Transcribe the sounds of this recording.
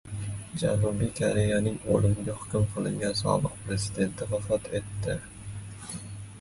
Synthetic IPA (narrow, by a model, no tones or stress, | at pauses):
d͡ʒa̰nubijkʰoɾe̞janɪŋo̰lɪmɪɡʲahʊ̥kʲʊmqʰɨlˠɪ̰ŋɡʲansɒ̰lˠɨq̚pɾe̞zɪd̪e̞nt̪ʰɪvafɒt̪ʰe̞t̪ːɪ